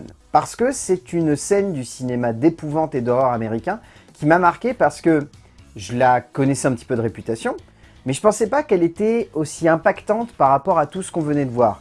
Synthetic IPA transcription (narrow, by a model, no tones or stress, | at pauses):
npaʁsə̥kəsɛt̪ynsɛnd̪ysinemad̪epuvɑ̃t̪ed̪ɔʁœʁameʁikʲɛ̃ | kʲimamaʁkʲepaʁsə̥kə | ʒəlakɔnɛsɛɛ̃pət̪i̥pød̪əʁepyt̪asjɔ̃ | mɛʒəpɑ̃sɛpakɛlet̪ɛosiɛ̃pakt̪ɑ̃t̪paʁːapɔʁat̪usə̥kɔ̃vənɛd̪əvwaːʁ